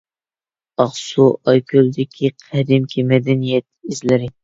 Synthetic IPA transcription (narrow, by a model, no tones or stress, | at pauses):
ɑχsuʔɑjkʲʰøld̪ɪkʲʰiqʰɛd̪ɪmkʲʰimɛd̪ɛnijɛt̪̚izlɪɾɪ